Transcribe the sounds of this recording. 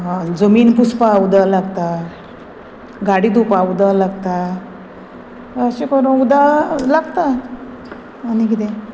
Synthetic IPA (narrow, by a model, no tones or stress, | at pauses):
ɦãd͡zəmiːnpuspaud̪alaɡt̪a | ɡaɽid̪upaud̪alaɡt̪a | əɕekɔɾõd̪alaɡt̪a | nikit̪e